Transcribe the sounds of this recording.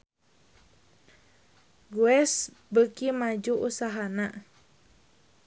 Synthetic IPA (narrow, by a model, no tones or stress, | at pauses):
ɡuɛs | bəkimad͡ʒuʔusaɦana